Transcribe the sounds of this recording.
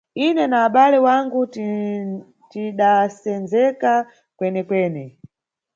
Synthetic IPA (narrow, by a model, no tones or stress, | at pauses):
inɛnaːɓalɛwaŋɡu | tiɗasɛnzɛka | kwɛnɛkwɛːnɛ